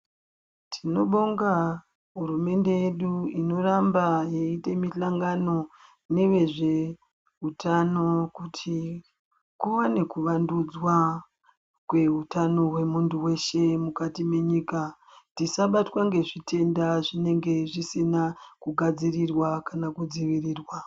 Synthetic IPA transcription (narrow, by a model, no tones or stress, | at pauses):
tʰino̞ɓoŋɡa | ɦuɾume̞nde̞jeɗuino̞rambajeite̞miɬaŋɡano̞ | ne̞we̞ʐe̞ | ɦutano̞kutʰi | kuwane̞kuʋandud͡zwa | kwe̞ɦutano̞we̞munduwe̞ʃe̞mukatime̞ɲiːka | tisaɓatwaŋɡe̞ʐitʰe̞ndaʐine̞ŋɡe̞ʐisinakuɡʱad͡zirirwakanakud͡ziʋiriːrwa